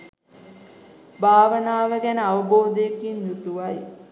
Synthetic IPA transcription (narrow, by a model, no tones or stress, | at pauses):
bʱaːʋənaːʋəɡænəaʋəboːd̪əekinjut̪uʋaj